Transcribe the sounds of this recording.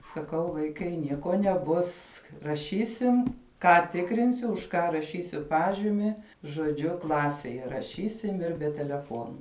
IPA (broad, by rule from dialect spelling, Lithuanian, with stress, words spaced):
sɐˈkɐʊ ʋɐɪˈkɐɪ ˈnʲiɛkoː nʲɛˈbʊs rɐˈʃʲiːsʲɪm ˈkɑː ˈtʲɪkrʲɪnʲsʲʊ ʊʃ ˈkɑː rɐˈʃʲiːsʲʊ ˈpɑːʒʲɪmʲɪ ʒoːˈd͡ʒʲʊ ˈklˠɑːsʲɛj rɐˈʃʲiːsʲɪm ɪr bʲɛ tʲɛlʲɛˈfoːnʊ